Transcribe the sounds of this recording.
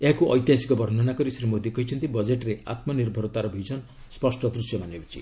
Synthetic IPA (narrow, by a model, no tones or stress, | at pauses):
eɦakuʔɔjt̪jasi̥kɔbɔɾn̤ʱɔnakɔɾisɾimod̪ikɔɦit͡ʃʰʌnt̪ibɔd͡ʒeʈɾea̰t̪mɔniɾbʱɔɾɔt̪aɾɔbʱid͡ʒɔn | spɔsʈɔt̪ɾusjɔmanebɔt͡ʃʰḭ